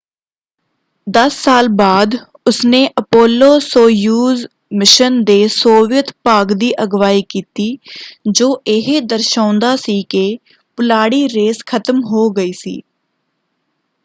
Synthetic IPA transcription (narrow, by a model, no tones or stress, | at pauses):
d̪əsːaːlbaːd̪ | ʊsneːʔəpoːlːoːsoːjuːz | mɪʃənd̪eːsoːʋɪjət̪paːɡd̪iːʔəɡʋaːiːkiːt̪iːd͡ʒoːʔɪɦed̪əɾʃãːnd̪aːsiːke | pʊlaːɽiːɾeːskʰət̪mɦoːɡəiːsḭː